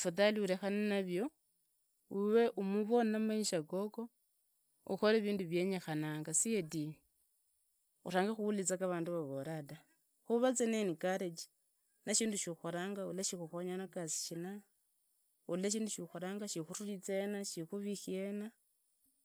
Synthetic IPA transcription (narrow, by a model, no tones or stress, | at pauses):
fataliuɾe̞xanenaβjo̞ | uwe̞ʔumuβo̞namaiʃakoko̞ | ṵxoleβiːnduβje̞ɲexanaːŋɡasiedi | ṵraːŋɡexuulit͡sakaβaːnduβaβoɾada | xuβat͡senenikaɾet͡ʃi̥ | naʃiːnduʃuxoɾaːŋɡaulaʃixuxoɲanakasi̥ʃina | uleʃ̬iːnduʃuxoɾaːŋɡaʃixuruɾit͡senaʃixuβixiena